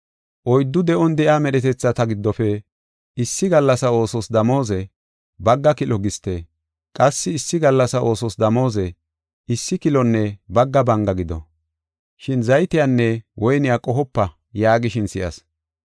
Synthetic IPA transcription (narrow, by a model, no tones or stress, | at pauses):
ʔɔjd̪ːʊd̪ɛʔɔnd̪ɛʔaːmɛɗɛt̪ɛt͡sːɐt̪ɐɡɪd̪ːɔfɛ | ɪsːɪɡɐlːɐsɐo̞ːsɔsd̪ɐmo̞ːzɛ | bɐɡːɐkɪlɔɡɪst̪ːɛ | kʼɐsːɪːsːɪɡɐlːɐsɐʔo̞ːsɔsd̪ɐmo̞ːzɛ | ɪsːɪkɪlɔnːɛbɐɡːɐbɐŋɡɐɡɪd̪ɔ̰ | ʃɪnzɐjt̪ɪjanːɛwʔɔjnɪjakʼɔɦɔpːɐ | jaːɡɪʃɪnsɪjɐ̰s